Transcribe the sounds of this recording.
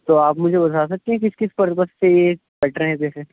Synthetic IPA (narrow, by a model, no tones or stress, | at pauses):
t̪oaːpmʊd͡ʒʱebɐd̪ʱasɐk̚t̪ẽɦɛ̃k̬ɪskɪspɐɾpəsseje | bɛːʈʰəɾeɦɛ̃k̬ɛːse